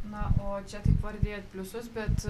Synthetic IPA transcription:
nɐʔoːt͡ʃʲɛt̪ɐɪpʋɐɾʲd̪ʲeːt̪̚pʲlʲʊsʊs̬bʲɛt̪

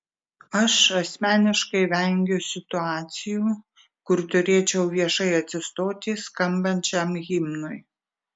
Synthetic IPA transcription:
ɐʃɐsʲmʲæːnʲɪʃkɐɪʋʲæŋʲɡʲʊsʲɪt̪ʊɑːt̪sʲɪjuː | kʊɾt̪ʊɾʲeːt͡ʃʲɛʊʋʲiɛʃɐɪɐt̪ʲsʲɪst̪oːt̪ʲɪskɐmbɐnʲt͡ʃʲɛmɣʲɪmnʊj

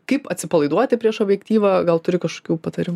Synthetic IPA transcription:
kɐɪpɐt̪ʲsʲɪpɐlˠɐɪd̪uɔt̪ʲɪpʲɾʲiɛʃoːbʲjɛkt̪ʲiːʋɐɡɐlˠt̪ʊɾʲɪkɐʃko̥ːkʲuːpɐt̪ɐɾʲɪmː

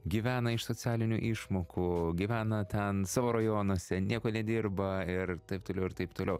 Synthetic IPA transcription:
ɡʲiːʋʲæːnɐɪʃsoːt͡ssʲæːlʲɪnʲṵːʔɪʃmoːkʰuːɡʲiʋʲæːnɐt̪ʲɛnsɑːʋoːɾɐjoːnoːsʲɛnʲiɛkoːnʲɛd̪ʲɪrbɐɪrt̪ɐɪpt̪oːlʲɛʊɪɾt̪ɐɪpt̪oːlʲɛʊ

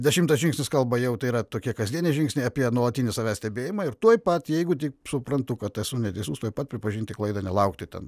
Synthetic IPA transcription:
d̪ʲɛʃʲɪmt̪ɐsʒʲɪ̃ŋksʲnʲɪskɐlˠbɐjɛʊt̪ɐɪiːɾɐt̪oːkʲiɛkɐzʲd̪ʲiɛnʲeʒʲɪŋksʲnʲɛɪɑːpʲiɛnuɔlˠɐt̪ʲiːnʲɪsɐʋʲæːsʲt̪ʲɛbʲeːjɪmɑɪrt̪uɔjpɐt̪jɛɪɡʊt̪ʲɪksʊpɾɐnt̪ʊkɐt̪ɛsʊnʲɛt̪ʲɛɪsʲuːst̪uɔjpɐt̪̚pʲɾʲɪpɐʒʲinʲt̪ʲɪklˠɐɪd̪ɐnʲɛlˠɐʊkt̪ʲɪt̪ʲɛ̰n

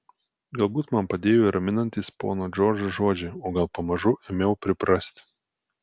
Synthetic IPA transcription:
ɡɐlˠbuːt̪mɐnpɐd̪ʲeːjoiɾʔɐmʲɪnɐnʲt̪ʲiːspo̰ːnoːd͡ʒʲoːɾʲd͡ʒoʒoɔd͡ʒʲɛoːɡɐlˠpɐmɐʒʊʔemʲɛʊpʲɾʲɪpɾɐsʲt̪ʲ

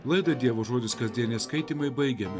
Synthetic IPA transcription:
lˠɐɪd̪ɐd̪ʲiɛʋoːʒoːd̪ʲɪskɐzʲd̪ʲiɛnʲɛskɐɪt̪ʲimɐɪbɐɪɡʲɛmʲɪ

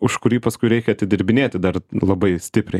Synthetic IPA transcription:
ʊʃkʊɾʲiːpɐskʊɪɾʲɛɪkʲɛɐt̪ʲɪd̪ʲɪɾʲbʲɪnʲeːt̪ʲɪd̪ɐrlˠɐbɐɪsʲt̪ʲɪpʲɾʲɛɪ

